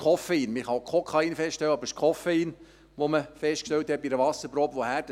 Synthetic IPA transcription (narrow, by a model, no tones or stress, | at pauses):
ɔfɛiːnmɪχɑkʰɔkʰɑiːnfɛstʃtɛlwəɑbəɾɪʃkʰɔfɛiːn | ʋoməfɛstkʃtɛwt̪hɛt̚biɾəʋɑsəɾpɾoːpʋohæːd